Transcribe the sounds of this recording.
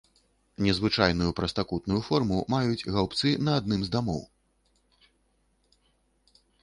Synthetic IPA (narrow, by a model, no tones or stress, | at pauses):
nʲɛzvɨt͡ʂajn̪ujupɾɐst̪akut̪nujufɔrmumajud͡zʲɣawpt̪sɨnɐːd̪̚nɨmzd̪amɔ̰w